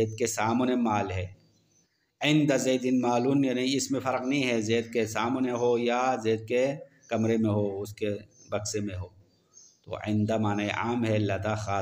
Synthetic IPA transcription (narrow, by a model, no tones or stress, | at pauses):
eːd̪̚kesaːmnemaːlɦɛː | ɪ̃nd̪azeːd̪ɪnmaːluːnjaːnɐĩɪsmẽfɐɾqnɐɦĩɦɛzeːd̪̚kesaːmneɦojazeːd̪̚ke | kɐmɾemẽɦoːʊskebɐksemẽɦoː | t̪o̰ɪ̰̃nd̪amaːnaːeʔaːmɦɛlɐd̪axaː